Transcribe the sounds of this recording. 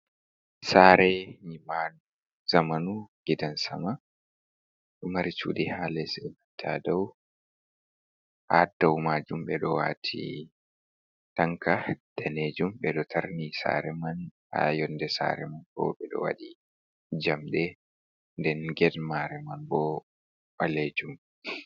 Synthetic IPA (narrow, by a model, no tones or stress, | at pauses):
saːɾɛɲimanu | zamanuɡ̥idansa̰ma | ɗɔmaɾit͡ʃṵːɗihaːlɛsɛmatʰaːdaw | ʔadawmaːd͡ʒumɓɛɗɔwa̰tʰḭ | taŋkad̥aned͡ʒumbɛɗɔtʰaɾnisa̰ːɾɛman | a̰jɔndɛsa̰ːɾɛmankɔ̰ɓɛɗɔ̰wa̰ɗi | d͡ʒamɗɛ | ndɛnɡɛdmaɾɛmanbɔ | ɓaleːd͡ʒum